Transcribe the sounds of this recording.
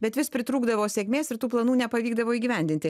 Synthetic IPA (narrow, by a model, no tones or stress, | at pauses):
bʲɛt̪ʋʲɪspʲɾʲɪt̪ɾuːɡd̪ɐʋoːsʲeːkʲmʲeːsɪɾt̪uːplˠɐnuːnʲɛpɐʋʲiːɡd̪ɐʋoːiːɡʲiʋʲɛnʲd̪ʲɪnʲt̪ʲɪ